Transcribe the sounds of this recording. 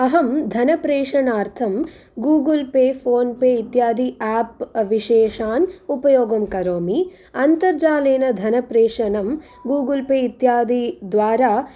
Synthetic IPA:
ɐɦɐmd̪ʱɐnɐpɾeːʂɐnaːɾt̪ʰɐm | ɡuːɡɐlpeːpʰoːnpeːit̪jaːd̪ʱiaːpʋiʃɛːʃaːnupɐjoːɡɐmkɐɾoːmi | ɐnt̪ɐɾd͡ʒaːleːnɐd̪ʱɐnɐpɾeːʂɐnɐm | ɡuːɡɐlpeːit̪jaːd̪ʱid̪ʋaːɾaː

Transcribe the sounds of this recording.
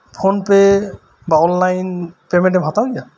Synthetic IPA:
pʰonpɛ | baɔnlajnpemɛ̃ntɛbʱatawdija

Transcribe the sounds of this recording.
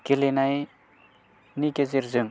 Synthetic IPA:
kelenaj | nikezeɾzɯŋ

